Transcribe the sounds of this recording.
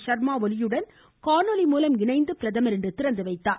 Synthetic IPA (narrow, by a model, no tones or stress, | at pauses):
ʂɐɾmaːʋɔlɪjɯɽɐn | kaːnolimuːlɐmɪnɐɪnd̪ɯpɪɾɐðɐmɐɾɪɳɖɯt̪ɪɾɐnd̪ɯʋɐɪt̪ːaː